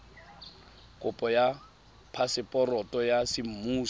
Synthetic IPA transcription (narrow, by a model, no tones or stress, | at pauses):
kʼʊpʼɔja | pʰasɪpʼɔrɔtʼɔjasɪm̩muː